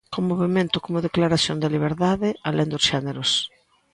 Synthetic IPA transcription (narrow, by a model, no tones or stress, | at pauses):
komoβemẽnt̪ʊkomʊðeklaɾaθjond̪ɪliβ̞eɾðaðɪalend̪ʊsʃɛneɾʊs